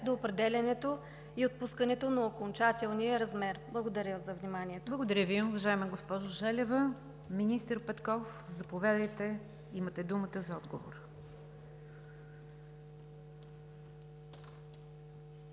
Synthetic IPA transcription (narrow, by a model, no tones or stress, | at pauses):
d̪oːpɾɛd̪ɛlʲɐnɛt̪o | iot̪̚puskənɛt̪onɐokont͡ʃat̪ɛlˠnijəɾɐzmɛɾblˠəɡod̪ɐɾʲəzɐvnimaniɛt̪olˠəɡod̪ɐɾʲəviʊvɐʒaɛməɡospɔʒoʒɛlʲɛvə | minist̪əɾpɛt̪kɔfzɐpovɛd̪əjt̪ɛ | imət̪ɛd̪umət̪əzɐɔd̪ɡovo̰ɾ